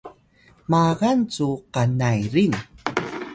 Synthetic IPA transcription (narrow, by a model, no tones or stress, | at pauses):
maɣant͡suqanajɾin